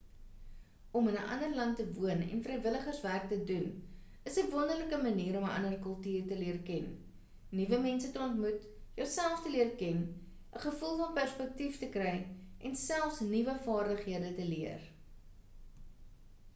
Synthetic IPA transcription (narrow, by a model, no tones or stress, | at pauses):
ɔmənəʔɐ̰ndərlɐnttːəvuənɛ̰nfrɛjvələχərsværk̚tədun | əsəvɔndərləkəmɐniːɾɔməʔɐ̰ndərkœlˠtyːrtəliərkɛnː | ivəmɛnsətəɔntmut | jəwsælˠftəliərkɛn | ʔəχəfulˠfɐnpærspɛk̚tiftəkrɛjʔɛnsælˠfsnivəfɑːrdəχɦiədətəliər